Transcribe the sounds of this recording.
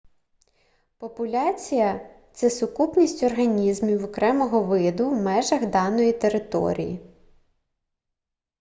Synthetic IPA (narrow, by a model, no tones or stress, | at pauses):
pɔpʊlʲat͡sʲijɐt̪sɛsʊkupnʲisʲtʲɔrɦɐnʲizmʲiwɔkɾɛmɔɦɔʋɪd̪ʊwmɛʒɐɣd̪ɑnɔjit̪e̞ɾɪt̪ɔ̰ɾʲḭjḭ